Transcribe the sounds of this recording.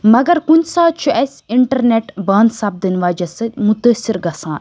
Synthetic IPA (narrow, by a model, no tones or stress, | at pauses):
mɐɡɐɾkunʲsaːt͡ʃʰuʔɐsʲ | iɳʈɐɾneʈbaːnsɐb̚d̪ɨnʋaːd͡ʒɐsɨt̪ʲmut̪əːsiɾɡɐsãːn